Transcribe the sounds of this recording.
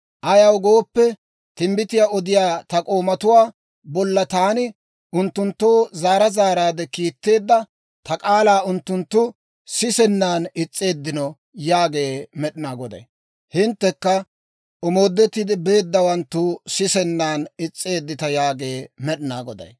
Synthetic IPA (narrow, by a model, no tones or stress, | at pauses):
ʔɐjɐwɡo̞ːpːɛ | t̪ɪmbɪt̪ɪjaɔd̪ɪjaːt̪ɐkʼo̞ːmɐt̪ʊwaː | bɔlːɐt̪aːnɪ | ʔʊnt̪ːʊnt̪ːoːzaːɾɐzaːɾaːd̪ɛkiːt̪ːe̞ːd̪ːɐ | t̪ʰɐkʼaːlaːʊnt̪ːʊnt̪ːʊ | sɪsɛnːaːnɪt͡sʼːe̞ːd̪ːɪnɔ | jaːɡe̞ːmɛɗɪnaːɡɔd̪ɐ̰j | hɪnt̪ːɛkːɐ | ɔmo̞ːd̪ːɛt̪ːɪd̪ɪbe̞ːd̪ːɐwɐnt̪ːʊsɪsɛnːaːnɪt͡sʼːe̞ːd̪ːɪt̪ɐjaːɡeːmɛɗɪna̰ːɡɔd̪ɐ̰j